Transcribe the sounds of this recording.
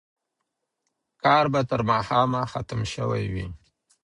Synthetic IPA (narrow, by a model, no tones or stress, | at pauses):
kɑɾbat̪əɾmɑhɑmaxat̪əmʃəwa̰jwi